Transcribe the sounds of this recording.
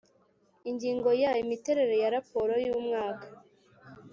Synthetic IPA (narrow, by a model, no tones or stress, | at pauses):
iɲɟiːŋɡo̞jaimite̞ɾe̞ɾe̞jaɾapo̞ɾo̞juːmŋaːkḁ